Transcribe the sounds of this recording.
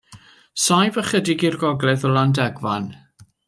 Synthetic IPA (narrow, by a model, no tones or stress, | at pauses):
sajvəχədɪɡirɡɔɡlɛðəlˠandɛɡva̰n